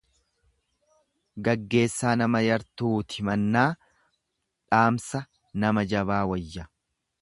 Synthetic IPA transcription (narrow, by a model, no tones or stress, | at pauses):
ɡɐɡːe̞ːsːaːnɐmɐjɐɾt̪uːt̪ɪmɐnːaː | ᶑaːmsɐ | nɐmɐd͡ʒɐβaːwɐjːɐ